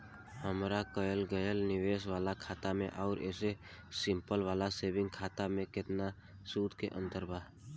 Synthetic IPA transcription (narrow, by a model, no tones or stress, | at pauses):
həmɾakəjəlɡəjəlnɪʋeːsʋaːlakʰaːt̪amẽʔɔʊɾḛːse | sɪ̃mpəlʋaːlaseːbɪ̃ŋɡkʰaːt̪amẽkɪt̪na | suːd̪ʱkeʔə̃nt̪əɾbʱa